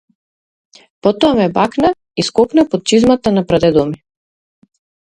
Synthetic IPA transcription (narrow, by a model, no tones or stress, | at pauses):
pɔt̪ɔamɛbakna | iskɔknapɔt̪̚t͡ʃizmat̪anapɾad̪ɛd̪ɔmi